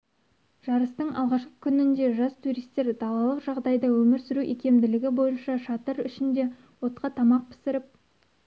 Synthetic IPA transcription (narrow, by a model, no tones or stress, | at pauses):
ʒ̥ɑɾəst̪əɴɑ̰lˠʁɑʃqə̥kʲʰʏnɪnd̪e̞ʒɑst̪ʰuɾijst̪e̞ɾd̪ɑlˠɑlˠəqʒɑʁd̪ɑjd̪ɑwɵmɪɾsʏɾuʔekʲʰe̞md̪ɪlɪɡʲɪbo̞jənʃɑʃɑt̪əɾʏʃɪnd̪e̞ | wo̞t̪̚qɑt̪ʰɑmɑq̚pʰɪ̥sɪɾɪp̚